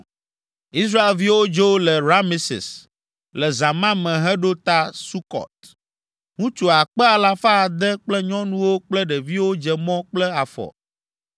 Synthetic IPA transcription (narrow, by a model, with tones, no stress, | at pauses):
i˦s̬ɾa˦e˨lvi˦wo˦d͡ʒo˦lɛ˨ɾa˦mi˦sḭ˨s | lɛ˨za˨mã˦mɛ̃˨ɦɛ˦ɖo˦t̪a˦su˦kɔ̰˨t̪̚ | ŋũ˦t͡ʃo˨a˨k͡pɛ˦a˨la˦fa˦˨d̪ɛ˦k͡plɛ˦ɲɔ̃˦nũ˦wo˦k͡plɛ˦ɖɛ˨vi˦wo˦d͡ʒɛ˨mɔ̃˦k͡plɛ˦a˨fɔ̰˨